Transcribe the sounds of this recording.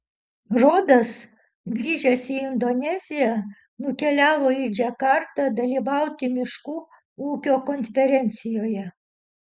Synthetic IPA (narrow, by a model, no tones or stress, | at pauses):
ɾoːd̪ɐs | ɡɾʲiːʒʲɛsʲiɪnd̪onʲɛzʲɪjæ | nʊkʲɛlʲæːʋoːɪd͡ʒʲɛkɑɾt̪ɐd̪ɐlʲiːʋɐʊt̪ʲɪmʲɪʃkuː | uːkʲoːkɔnʲfʲɛɾʲɛnʲt̪sʲɪjoːjɛ